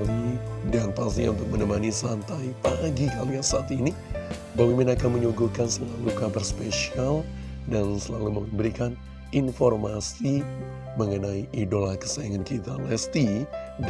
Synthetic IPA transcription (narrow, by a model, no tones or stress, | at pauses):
lidanpast̪iɲaunt̪ʊk̚mənəmanisant̪aipaɡikaliasaat̪ini | bamimɪnakanməɲuɡukansəmət̪alukabərspesialdansəlaluməbəɾikan | infɔrmasi | məŋənaiʔidolakə̥sajaŋankit̪alɛst̪i